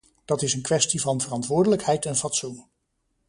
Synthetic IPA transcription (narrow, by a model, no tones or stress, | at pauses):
d̥ɑtɪsənkʋɛstivɑnvərɑntʋʊːɹdələkhɛjtɛnvɑtsun